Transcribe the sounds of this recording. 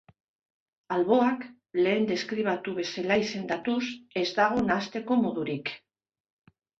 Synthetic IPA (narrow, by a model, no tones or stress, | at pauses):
alβo̞ak | le̞ːnd̪e̞skɾiβ̞at̪uβe̞se̞laise̞nd̪at̪use̞zd̪aɣ̞onast̪e̞ko̞mo̞ðuɾik